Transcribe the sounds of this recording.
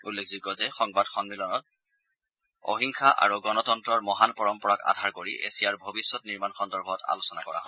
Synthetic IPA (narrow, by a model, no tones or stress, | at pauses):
ulːekʰzikɔzɛxɔŋbadxɔnmilɔnɔt̚ | o̰ɦiŋxʰaʔa̰ɹuɡɔnɔtɔntɹɔɹmɔɦanpɔɹɔmpɔɹaka̰dʱaɹkoɹiʔḛsijaɹbʱobisːɔtniɹmanxɔndɔɹbʱɔta̰lusɔna̰kɔɹa̰ɦɔ